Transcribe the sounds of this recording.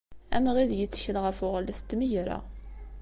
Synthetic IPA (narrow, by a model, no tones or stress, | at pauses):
æ̰mʁiðjət͡sːçəlʁəfʊʁlːæθt̪ːməʝɾa̰